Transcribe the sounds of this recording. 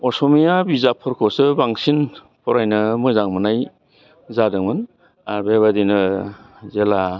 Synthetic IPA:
ɔsɔmijabizapʰɔɾkʰɔsɯbaŋsin | pʰɔɾajnɯmɯzaŋmɯnaj | zadɯŋmɯn | aɾbeβadinɯ | zela

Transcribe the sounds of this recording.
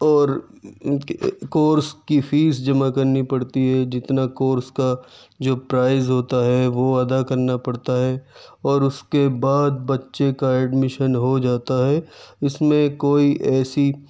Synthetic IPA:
ɔːɾ | koːɾskifʰiːsd͡ʒɐmakɐɾnipɐɽt̪iɦɛd͡ʒɪt̪nakoːɾska | d͡ʒoːpɾaːɪzɦoːt̪aɦɛʋoɐd̪akɐɾnapɐɽt̪aɦɛɔːɾʊskebaːd̪̚bɐtːʃekaɛːɖmɪʃənɦod͡ʒaːt̪aɦɛɪsmẽkoːiʔɛːsi

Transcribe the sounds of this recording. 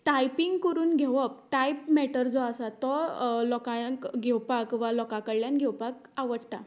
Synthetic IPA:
ʈajpiŋɡkəɾuːnɡʱeʋəp̚ʈajpmɛʈəɾd͡zɔasat̪ɔlɔkãkɡʱewpakʋalɔkakəɽljanɡʱewpak | aʋəɽt̪a̰

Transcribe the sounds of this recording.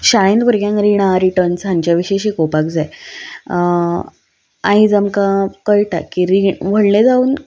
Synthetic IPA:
ɕaɭĩnd̪buɾɡjãŋkɾiɽ̃ãɾiʈəɾnsãɲt͡ɕjaʋiɕeɕikopakd͡zae | ãid͡zəmkãkəɭʈakːiɾiʋəɽɳẽd͡zauːn

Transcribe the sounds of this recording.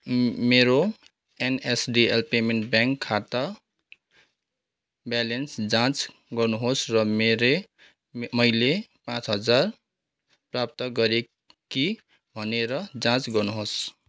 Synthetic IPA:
meɾo | enesɖielpemeɳʈbaŋkʰːat̪ʌ | belensd͡zãt͡s | ɡʌɾnuɦosɾʌmeɾe | mʌjlepãt͡sɦʌd͡zaɾ | prap̚t̪ʌɡʌɾe | ki | bʱʌneɾʌd͡zãt͡sɡʌnuɦos

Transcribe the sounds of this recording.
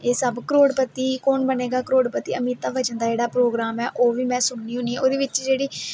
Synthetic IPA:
eːsəbkɾoːɽpət̪iːkonbəneːɡaːkɾoːɽpət̪iːəmiːt̪ːaːʋəd͡ʒənd̪aːd͡ʒeːɽaːpɾoːɡɾaːmɛːʔoːʋiːmɛ̃ːsʊnniːɦʊ̃niɛːoːd̪eːʋɪt͡ʃd͡ʒeːɽiː

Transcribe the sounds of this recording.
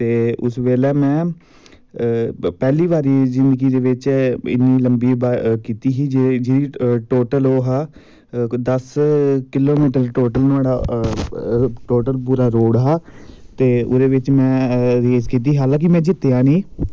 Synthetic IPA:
t̪eːʊ̰sʋeːlɛːmɛ̃ː | pɛːliːʋaːɾiːzɪnd̪əɡiːd̪eːʋɪt͡ʃɪ̰nːiːləmbiːbakiːt̪iːɦiːd͡ʒed͡ʒidiːʈoːʈəloːɦaː | d̪əskɪloːmiːʈəɾʈoːʈəlnũaːɽaː | ʈoːʈəlpuːɾaːɾoːɽɦaːt̪eːʊd̪eːʋɪt͡ʃmɛ̃ːɾeːd͡ʒkiːt̪̬iːɦaːlãːk̬ɪmɛ̃ːd͡ʒɪt̪ːeãːniː

